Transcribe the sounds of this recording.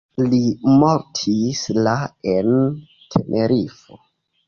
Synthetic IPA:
limoɾtʰislaen | tʰenʔeɾifo

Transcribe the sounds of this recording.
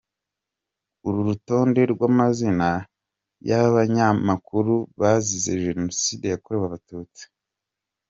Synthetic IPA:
uɾuɾuto̞ːnde̞ɾɡwamazina | jaaβaɲamakuɾuβazizeʒe̞no̞siːde̞jakoɾewaβatuːt͡si̥

